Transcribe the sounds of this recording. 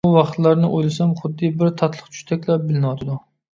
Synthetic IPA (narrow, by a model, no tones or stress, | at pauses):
wɑχt̪læɾnɪʔojlɪsɛmχʊd̪ːɨbɪɾt̪ʰɑt̪ʰlˠəχt͡ʃʰy̥ʃt̪ʰɛkʲlæp̚bɪlɪnwɑt̪ʰɪd̪u